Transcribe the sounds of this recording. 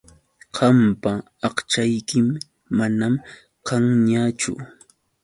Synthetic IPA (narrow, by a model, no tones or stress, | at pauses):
qʰɑmpa | ɑqt͡ʃajkɪmː | anam | qɑŋɲat͡ʃʊ̰